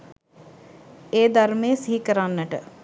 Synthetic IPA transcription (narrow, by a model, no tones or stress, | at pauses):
eːd̪aɾmeːsiɦikəɾanːəʈə